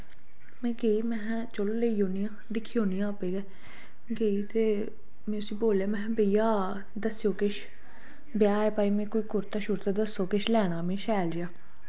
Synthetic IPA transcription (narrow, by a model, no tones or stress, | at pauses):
mɛ̃ːɡeiːmɛ̃ː | t͡ʃolleiːoːnijãːd̪ɪkʰːiːõːnijãːpeːɡɛː | ɡeːit̪eː | mɛ̃ːʊsĩːboːljaːmɛ̃ːbəijaː | d̪əsjoːkɪʃ | bɪjaːɛːpaːiːmɛ̃ːkoːiːkʊɾt̪aːʃʊɾt̪aːd̪əsːoːkɪʃlɛːɽ̃aːmẽːʃɛːld͡ʒaː